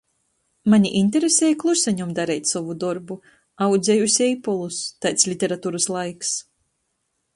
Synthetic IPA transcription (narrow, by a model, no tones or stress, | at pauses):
maɲʲiʔinʲt̪̬ʲeɾesʲeːjklˠusɛɲumd̪aɾɛjt̪ʲsɔvud̪ɔɾbu | awd̪zʲejusʲɛjpɔlˠust̪ajt̪slʲit̪ʲɛɾat̪uːɾɨslˠajks